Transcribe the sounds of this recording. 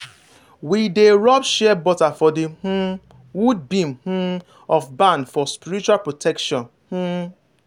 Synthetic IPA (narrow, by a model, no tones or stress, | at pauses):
wideɾɔpʃɛɛbɔtafɔdeh̩ | wud̚bim̩h̩ | ɔfbãndfɔspiɾit͡ʃualpɹotʰɛkʃɔ̃n | h̩